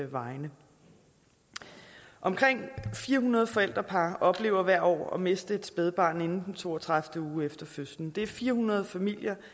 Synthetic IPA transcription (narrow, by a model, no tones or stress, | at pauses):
ʋɑ̈ɪnə | ʔɒ̽mkʰʁeŋ̰fiːɐɦunɐð̞̩ˠəfɒ̽el̰d̥ʁɐpʰɑ̈ːʔɒ̽b̥le̝ːʊ̰ɐʋæɐ̰ɒ̰ːɒ̽me̝sd̥əe̝d̥sb̥eð̞ˠb̥ɑ̰̈ːne̝nn̩d̥n̩t͡sʰo̝̰ːɒt͡sʰʁäfd̥əuːefd̥ɐføsn̩d̥e̝æɐfiːɐhunɐð̞ˠfæmil̰jɐ